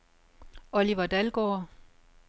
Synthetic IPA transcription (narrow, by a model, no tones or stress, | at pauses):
ɒliʋɐd̥ælɡ̥oː